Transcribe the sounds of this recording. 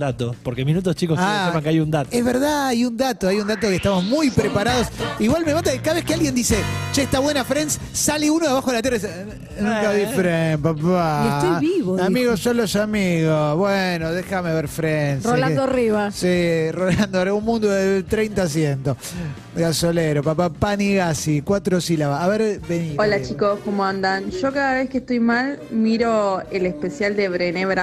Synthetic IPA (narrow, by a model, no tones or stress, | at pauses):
d̪at̪opoɾkemĩnut̪̬ost͡ʃikosamaŋkeajund̪at̪ezβeɾðaajund̪at̪oajund̪at̪okeht̪amo̞smujpɾepaɾaðo̞siɣwalmemand̪akaðaβekealɣjend̪iset͡ʃaeht̪aβwenafɾens | saleunoðaβaxoelat̪̬eres | nũŋkaβiffɾenpapaet̪ojβiβoamiɣossolosamiɣosβwenoðexameβeɾfɾensrolãd̪oariβasiroland̪oariβaunmũnd̪oðet̪ɾejnt̪as̬jent̪o | ɡasoleɾopapapaniɣasikwat̪ɾosilaβaːβeɾbeniolat͡ʃikoskomoãnd̪anʃo̞kaðaβeskeht̪ojmalmiɾoelespesjald̪eβɾeneβɾa